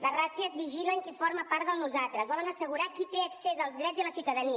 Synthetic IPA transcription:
lərasiəzβiʒiləŋkiforməpaɾðəlˠnuzalˠt̪ɾəzβɔlənəsəɣ̞uɾakit̪eəksezəlˠzðɾɛd͡zðələsiwt̪əðəni

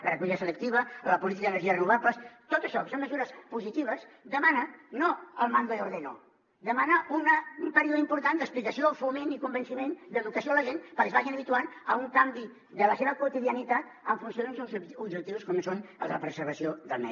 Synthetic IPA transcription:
lərəkuʎɣəsələk̚t̪iβələpulit̪ikəðənəɾʒiərənuβ̞apləst̪ot̪əʃɔkəsonməzuɾəspuzit̪iβ̞əs | d̪əmanənoəlˠmanɡ̪ouɾðeno̰ | d̪əmanəunəumpəɾioðimpuɾt̪and̪əsplikəsiofumenikumbənsimend̪əðukəsioaləʒenpəɾkeəzβaʒinəβ̞it̪uanəuŋkambi | ðələseβ̞əkuut̪iðiənit̪at̪̚ | əɱfunsioðzuubd͡ʒʒəkt̪iwuskɔmsonə̰lˠzðələpɾəzəɾβ̞əsioðəlˠnɛ̰

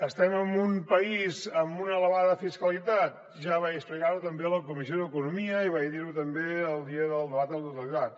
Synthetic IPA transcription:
əst̪ɛməmumpəizəmunəːləβaðəfiskəlit̪at̪̚ | ʒaβajəsplikaɾut̪əmbeələkumizioðəkunumiəiβajðiɾut̪əmbeəlˠd̪iəðəlˠd̪əβat̪ət̪ut̪əlit̪at̪̚

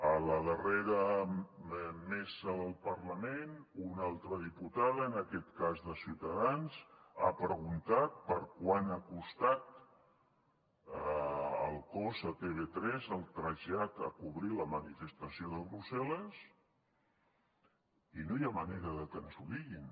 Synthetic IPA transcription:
ələðəreɾə | mɛsəðəlˠpəɾləmenunalˠt̪ɾəðiput̪aðəːnəkɛt̪kazðəsiwt̪əðanz | a̰pɾəɣunt̪at̪̚pəɾkwanakust̪at̪ | ə̰lˠkozət̪eβ̞et̪ɾɛzəlˠt̪ɾəʒat̪a̰kuβɾiləmənifəst̪əsioðəlˠβɾusɛləs | inojaməneɾəðət̪ənsuðiɣin

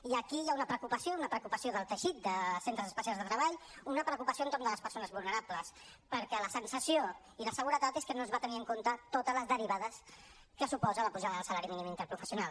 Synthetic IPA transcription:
iəkijaunəpɾəkupəsiounəpɾəkupəsioðəlˠt̪əʃit̪̚d̪əsent̪ɾəzəspəsialzðət̪ɾəβaʎunəpɾəkupəsioənt̪ornd̪ələspəɾsonəzβulˠnəɾapləspəɾkɛləsənsəsijo | iləsəɣ̞uɾət̪at̪eskənozβat̪əniəŋkont̪ət̪ot̪ələzðəɾiβaðəs | kəsupɔzələpuʒaðəðəlˠsəlaɾiminimint̪əɾpɾufəsiunal

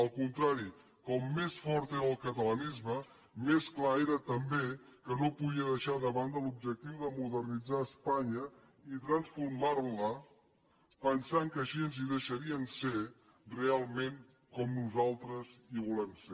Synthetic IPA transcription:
əlˠkunt̪ɾaɾi | kɔmːesfɔɾt̪eɾəlˠkət̪ələnizmə | mesklaeɾət̪əmbekənopuðiəðəʃaðəβand̪əlub̚d͡ʒək̚t̪iwðəmuðərnid͡zaəspaɲə | it̪ɾənsfuɾmarlə | pənsaŋkəʃiənziðəʃəɾiənse | realˠmeŋ | kɔmnuzalˠt̪ɾəziβulɛmse

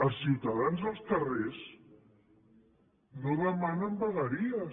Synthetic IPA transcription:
əlˠsiwt̪əðanzðəlˠsk̪ərez | noðəmanəmbəɣəɾiə

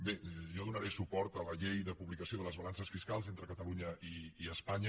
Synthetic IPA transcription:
beʒɔðunəɾesupɔɾt̪ələʎejðəpuβlikəsioðələzβɐlansəsfiskalˠzent̪ɾəkət̪əluɲəʔiiəspaɲə

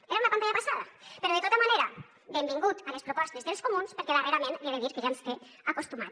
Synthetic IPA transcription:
eɾaunɐpant̪aʎapasaðɐpeɾɔðet̪ot̪əmaneɾɐ | bembiŋɡut̪əlespɾupɔst̪ezðelskumunspeɾkɛðereɾamenbieðeðiɾkeʒansfe | əkust̪umat̪

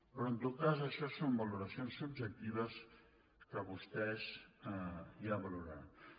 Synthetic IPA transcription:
pɾɔənt̪ot̪̚kazəʃɔsombəluɾəsionsub̚d͡ʒək̚t̪iβəs | kəβust̪ɛs | iaβəluɾa̰n

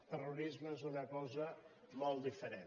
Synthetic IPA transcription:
t̪əruɾizməezunəkɔzə | mɔlˠd̪ifəɾe

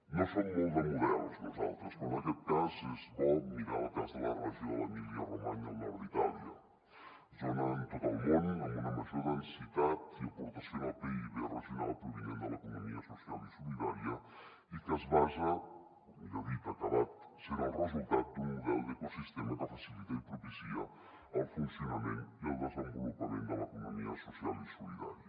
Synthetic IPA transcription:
nosommõld̪emuðɛlznoza̰lˠt̪ɾoskomaʒet̚t̪azezβomiɾalat̪ɾazðəlaraʒjolamiljaroma̰ɲananit̪aljɐ̰ | ʒonant̪oðalmõnamunamaʒoðensit̪at̪iapoɾt̪asjonapeiβrezjonalˠpɾoβiɲend̪əlaekunomiasosjalˠisuniðaɾjɐ | ik̪azβazɐ | uʎaðit̪akaβat̪ | seɾaurezulˠt̪at̪̚d̪umuðɛlˠd̪ekosist̪ɛmaðafasilit̪aipɾofisia | awfunsjonamẽnt̪iald̪ezambulupamẽnalaekunomiɐsosjalisuliða̰ɾjɐ

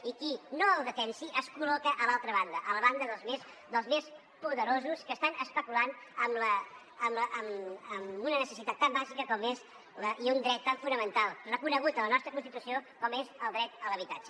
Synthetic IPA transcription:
ikinoəlˠðət̪ɛnsiʔəskulɔkəʔəlalˠt̪ɾəβ̞and̪əʔələβand̪əðəlˠzmes | d̪əlˠzmes | puðəɾozuskəst̪anəspəkulanəmlə | əməʔəməmunənəsəsit̪at̪ːambaʒikəkɔmez | ləʔiund̪ɾɛt̪ːaɱfunəmənt̪alˠrəkunəɣ̞ut̪ələnɔst̪ɾəkunst̪it̪usiokɔmezəlˠd̪ɾɛt̪ələβit̪ad͡ʒə

